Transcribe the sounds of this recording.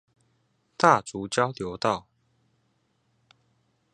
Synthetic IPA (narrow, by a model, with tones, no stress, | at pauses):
t̪a˥˨t͡su˨˦t͡ɕjɑ˦ʊljo˨˦ʊt̪ɑ˥˨ʊ